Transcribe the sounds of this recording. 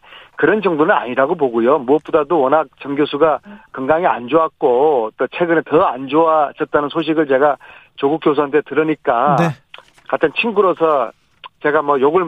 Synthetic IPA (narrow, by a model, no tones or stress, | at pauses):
kɯɾʌnd͡ʑʌŋdonɯna̰ɲiɾaɡop̬oɡujomuʌt̚p͈odadowʌnɦak̚t͡ɕʌŋɡjosʰuɡakɯŋɡaŋia̰nd͡ʑoak̚k͈ot͈ot͡ɕʰe̞ɡɯnetʌand͡ʑoad͡ʑʌt̚t͈anɯnsʰoɕ̬ʰiɡɯɭt͡ɕe̞ɡa | t͡ɕoɡuk̚k͈jos̬ʰantʰe̞tɯɾɯɲik͈a | katʰɯnt͡ɕʰiŋɡuɾosʰʌ | t͡ɕe̞ɡamʌjoɡɯɭ